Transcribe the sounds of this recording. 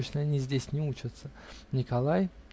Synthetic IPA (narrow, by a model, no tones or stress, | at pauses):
t͡ɕnəɐnʲizʲdʲesʲnʲɪut͡ɕɪt̪sənʲɪkɐlˠaj